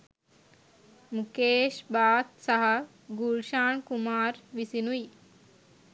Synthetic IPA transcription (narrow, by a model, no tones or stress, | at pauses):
mukeːʃbaːt̪sɐɦɐ | ɡulʃaːɳkumaːɾʋisinuji